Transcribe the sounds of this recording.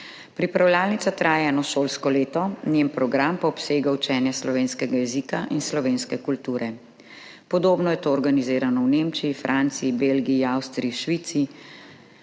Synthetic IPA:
pɾipɾawljaːlnitsat̪ɾaːjɛɛːnɔʃoːlskɔleːt̪ɔnjempɾɔɡɾampaɔpseːɡawt͡ʃɛːnjɛslɔʋeːnskɛɡajɛzikaʔinslɔʋeːnskɛkult̪uːɾɛ | pɔd̪oːbnɔjɛt̪oːɔɾɡaniziːɾanɔwnemt͡ʃiifɾʔaːnt̪siːbeːlɡiiawst̪ɾiiʃʋiːt̪siː

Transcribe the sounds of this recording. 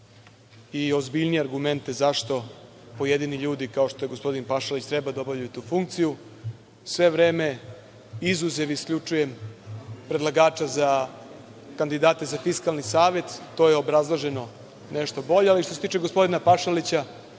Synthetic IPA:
io̞zbiʎnijeaɾɡument̪ezaʃt̪o̞ | po̞jed̪iniʎuːd̪ikao̞ʃt̪o̞jeɡo̞spo̞d̪inpaʃalit͡ɕt̪ɾɛbad̪aobavʎajut̪uːfuŋkt̪siju | sʋe̞ʋɾeːme̞ | izuzeʋiskʎut͡ʂuje̞m | pɾed̪lˠaɡaːt͡ʃaza | kand̪id̪aːt̪ezafiskalnisaːʋe̞t̪ːo̞jeo̞bɾazlˠoʒe̞no̞ | neʃt̪o̞bo̞ʎealiʃt̪oset̪iːt͡ʃeɡospo̞d̪inapaʃalit͡ɕa

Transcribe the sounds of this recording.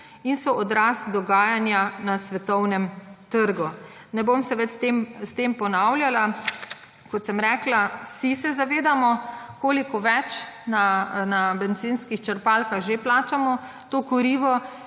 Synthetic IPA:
insɔʔɔd̪ɾasd̪ɔɡaːjanjanasʋɛt̪ɔwnɛmt̪əɾɡu | nɛbomsɛʋɛt̪t̪emst̪empɔnawlʲjala | kɔt̪sɛmɾɛːklawsisɛzaʋeːd̪amɔkoːlikɔʋɛt͡ʃnanabɛnzinskixt͡ʃəɾpalkaxʒeplaːt͡ʃamɔ | t̪oːkɔɾiːʋɔ

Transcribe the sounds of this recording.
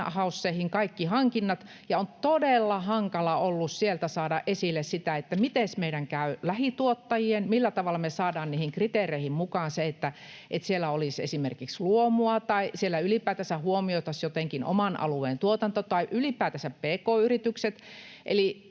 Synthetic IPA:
hɑusːeihiŋkɑikːihɑŋkinːɑt̪ | jɑont̪odelːɑhɑŋkɑlɑolːussielt̪æsɑːdɑʔʔesilːessit̪æet̪ːæmit̪esmeiɾæŋkæylæhit̪uot̪ːɑjienmilːæt̪ɑʋɑlːɑmesɑːdɑːnniːhiŋkrit̪eːreihimmukɑːnseet̪ːæʔet̪sielːˑæolisḛsimerkiksluomuɑt̪ɑisielːæylipæːt̪æsæhuomioit̪ɑsjot̪eŋkino̰mɑnʔɑ̰lueːnt̪uot̪ɑnt̪ot̪ɑiʔylipæːt̪æsæppeːkoːyrit̪ykset̪ | ʔḛli

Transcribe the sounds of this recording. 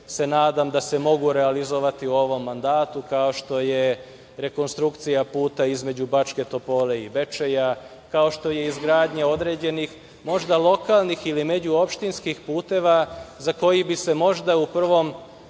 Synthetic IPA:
se̞naːd̪amd̪ase̞mo̞ɡuɾe̞alizoʋat̪iuo̞ʋo̞mːand̪aːt̪ukao̞ʃt̪o̞je̞ | ɾe̞ko̞nst̪ɾukt̪sijapuːt̪aizme̞d͡ʑubat͡ʃke̞t̪o̞po̞ːle̞ibe̞t͡ʃeja | kao̞ʃt̪o̞je̞izɡɾaːd̪ɲao̞d̪ɾe̞ːd͡ʑe̞nix | mo̞ʒd̪alo̞kalˠnixilime̞d͡ʑuo̞pʃt̪inskixpuːt̪e̞ːʋazako̞jibise̞mo̞ʒd̪aupr̩ʋo̞m

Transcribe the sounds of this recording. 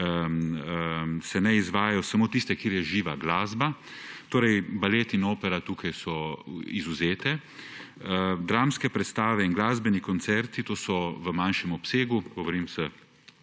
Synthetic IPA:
sɛnɛizʋaːjajɔsamoːt̪ist̪ɛkjiɾjɛʒiːʋaɡlaːzbat̪oːɾɛjbaleːt̪iinoːpɛɾat̪uːkʰajsɔizuzeːt̪ɛ | d̪ɾaːmskɛpɾɛt̪st̪aːʋɛinɡlaːzbɛnikɔnt̪sɛɾt̪it̪oːsɔʋəmanʃɛmɔpseːɡuɡɔʋoɾimsə

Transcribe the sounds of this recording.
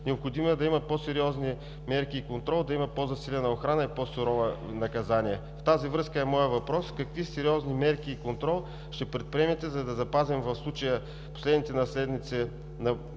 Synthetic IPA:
nɛopxod̪imoɛd̪ɐimɐposɛɾiɔzni | mɛɾkiːkont̪ɾɔlˠd̪ɐimɐpozɐsilʲɛnɐoxɾanəiposʊɾɔvənɐkɐzaniɛ | ft̪azivɾɤskəɛmɔjəvɐpɾɔskɐkvisɛɾiɔznimɛɾkiːkont̪ɾɔlˠ | ʃt̪ɛpɾɛt̪̚pɾʲiɛmɛt̪ɛzɐd̪ɐzɐpazimvɐfslˠut͡ʃəjə | po̥slɛd̪nit̪ɛnɐslɛd̪nit̪sɛ | nɐ

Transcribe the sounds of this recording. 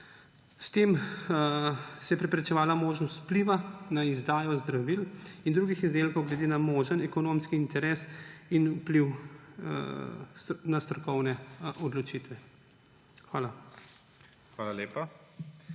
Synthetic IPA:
st̪eːm | sɛjɛpɾɛpɾɛt͡ʃɛʋaːlamoːʒnɔst̪pliʋanaizd̪aːjɔzd̪ɾaʋilind̪ɾuɡixizd̪eːlkɔwɡlɛd̪eːnamoʒənɛkɔnomskiːnt̪ɛɾeːsinupliw̰ | nast̪ɾɔkɔwnɛɔd̪lɔt͡ʃit̪ʋɛ | xʋaːla | xʋaːlaleːpa

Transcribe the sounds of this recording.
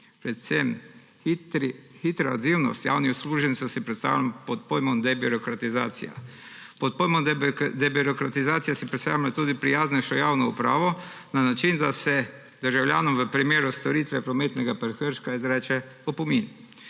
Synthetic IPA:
pɾɛt̪sɛm | xit̪ɾaa̰kt̪iwnɔ̰st̪ja̰ːwnixsluːʒɛnsɔsipɾɛt̪st̪a̰ːwlampɔt̪̚pojmɔmd̪ɛbiɾɔkɾat̪iza̰ːt̪sḭja̰ | pɔt̪̚pojmɔd̪ɛbiɾɔkɾat̪izaːt̪sijasipɾɛt̪st̪a̰wjmat̪uːd̪ipɾijaːznɛʃɔjaːwnɔupɾa̰ːʋɔ | nanat͡ʃind̪asɛ | d̪əɾʒawlʲja̰ːnɔmʋəpɾimeːɾust̪ɔɾit̪ʋɛpɾɔmeːt̪nɛɡapəɾxəɾʃkaizɾɛːt͡ʃɛɔpɔmin

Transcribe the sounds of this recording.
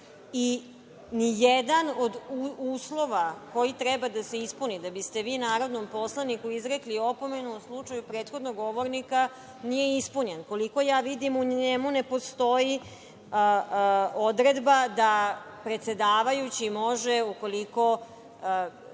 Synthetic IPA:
i | nijed̪anod̪uuːslˠo̞ʋako̞jit̪ɾɛbad̪ase̞ispunid̪abist̪e̞ʋiːnaːɾo̞d̪nompo̞slˠanikuizɾeklio̞po̞me̞nuuslˠut͡ʂajupɾeːt̪xo̞d̪noɡːo̞ʋo̞ɾnika | nije̞ispuɲenko̞liko̞jaːʋid̪imuɲemune̞po̞st̪o̞i | o̞d̪ɾe̞d̪bad̪apɾe̞t̪se̞d̪aːʋajut͡ɕimo̞ʒeuko̞liko̞

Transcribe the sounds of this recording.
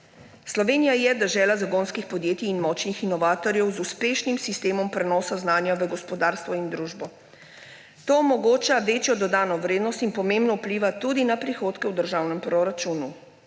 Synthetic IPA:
slɔʋeːnijajɛd̪əʒɛːlazaɡonskixpɔd̪jeːt̪iːnmɔt͡ʃnixinɔʋaːt̪ɔɾjɛwzuspeːʃnimsist̪eːmɔmpɾɛnɔːsaznaːnjaʋəɡɔspɔd̪aːɾst̪ʋɔind̪ɾuʒbɔ | t̪oːmɔɡoːt͡ʃaʋeːt͡ʃjɔd̪ɔd̪aːnɔʋɾeːd̪nɔst̪inpɔmẽmbnɔuwpliːʋat̪ud̪inapɾixoːt̪kɛwd̪əɾʒawnɛmpɾɔɾat͡ʃuːnu

